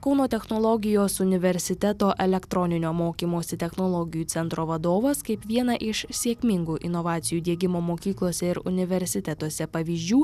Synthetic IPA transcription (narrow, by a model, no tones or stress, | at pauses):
kɒʊnoːt̪ʲɛxnoːlˠɔɡʲɪjoːsʊnʲɪʋʲɛɾʲsʲɪt̪ʲɛt̪oːʔɛlʲɛkt̪ɾɔnʲɪnʲoːmoːkʲiːmoːsʲɪt̪ʲɛxnolˠɔɡʲɪjuːɛnt̪ɾoːʋɐd̪oːʋɐskɐɪpʋʲiɛnɐʔɪʃsʲiɛkʲmʲɪŋɡuːʔɪnɔʋɑːt̪sʲɪjuːd̪ʲiɛɡʲɪmoːmoːkʲiːklˠoːsʲɛɪɾʊ̰nʲɪʋʲɛɾʲsʲɪt̪ʲɛt̪uɔsʲɛpɐʋʲiːzʲd͡ʒʲuː